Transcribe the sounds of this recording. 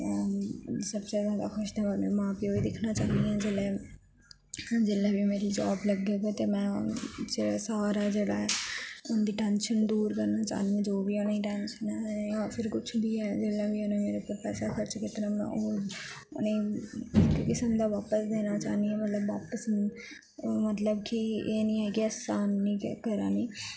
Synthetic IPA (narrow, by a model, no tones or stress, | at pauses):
səbt͡ʃɛːzjaːd̪a̰ːkʰʊʃd̪ãanḛmãːpiːoːiːd̪ɪkʰnaːt͡ʃaːnd̪iɛ̃ːd͡ʒeːlɛː | d͡ʒeːlɛːbiːmeːɾiːd͡ʒaːbləɡeːɡeːt̪eːmɛ̃ːd͡ʒeːɽaːsaːɾaːd͡ʒeːɽaːɛʊnd̪iːʈɛ̃ːnʃənd̪uːɾkəɾnaːt͡ʃa̰ːnid͡ʒoːbiːonːiːʈɛ̃ːnʃənɛːaːpʰɪɾkʊt͡ʃʰb̪iːɛːd͡ʒeːlaːbiːonãːmeːɾeːpəɾpɛ̰ːsaːkəɾt͡ʃkɪt̪ɾãːmɛ̰̃o | ʊ̰neː | kɪsəmd̪aːʋaːpəsd̪eːnaːt͡ʃa̰ːniɛːmət̪ləbːaːpəs | mət̪ləbkɪeːnĩːɦɛːkɪəsaːnːĩːkəɾaːniː